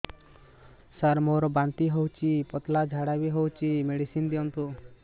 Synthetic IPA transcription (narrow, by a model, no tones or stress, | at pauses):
saɾmoɾɔbant̪iɦowt͡ʃipɔt̪lad͡ʒʱaɽabiɦowt͡ʃimeɽisind̪iɔnt̪u